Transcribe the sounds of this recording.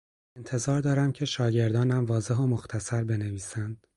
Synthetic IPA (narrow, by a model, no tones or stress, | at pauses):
ent̪ʰe̞zɒːɾd̪ɒːɾæmcʰe̞ʃɒːɟe̞ɾd̪ɒːnæmvɒːze̞ɦomo̞xt̪ʰæsæɾbe̞ne̞viːsænd̪̥